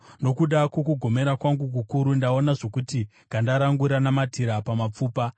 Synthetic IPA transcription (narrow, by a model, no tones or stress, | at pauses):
no̞kuɗakwo̞kuɡʱo̞me̞ɾakwaŋɡuk̬ukuɾundao̞naʐo̞kuti | ɡʱandaɾaŋɡuɾanamatʰiɾapamap͡fuːpa